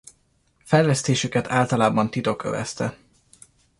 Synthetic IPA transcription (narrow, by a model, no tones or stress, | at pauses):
fɛjlɛst̪eːʃykɛt̪ʰaːlt̪ɒlaːbɒnt̪it̪o̞kø̰vɛ̰st̪ɛ